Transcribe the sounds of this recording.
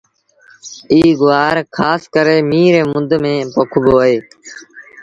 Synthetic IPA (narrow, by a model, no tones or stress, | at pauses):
iːɡʊʋaːɾkʰaːskəɾeːmiːɾeːmʊnd̪mẽːpokʰboːɦeː